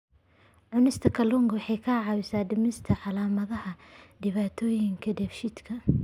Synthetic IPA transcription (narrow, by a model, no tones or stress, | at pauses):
ʕʊnɪst̪ʰɐkʰɐlɔŋɡɐwħɑjkʰɐʕɑːwɪsaːdɪmɪst̪ʰɐʕɑlaːmɐðɐhɐdɪβaːt̪ʰɔːjɪŋkʰɐdɛfʃɪd̪kʰɐ